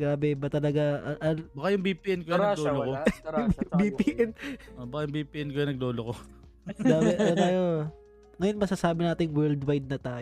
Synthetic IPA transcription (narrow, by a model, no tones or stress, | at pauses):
ɡaːbɛbɐt̪ɐlɐɡaʔɐʔɐlbakajʊŋbipiʔɛnkojaɐloloko | bipiʔɛnʔobɐkajʊŋbiːpiːʔɪnkojɐnɐɡ̚loːloko | ɡaːbɛdɐt̪aːjo | ŋɐjonmɐsasaːbɪnaːt̪ɪŋwɛld̪wajd̪̚nɐt̪aːj